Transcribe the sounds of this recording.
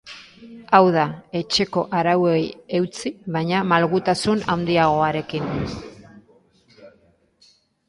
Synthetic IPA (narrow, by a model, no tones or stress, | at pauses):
awðae̞t͡ʃe̞ko̞ʔaɾawe̞je̞wt͡siβajɲamalɣut̪asunawnd̪iaɣ̞o̞aɾe̞kin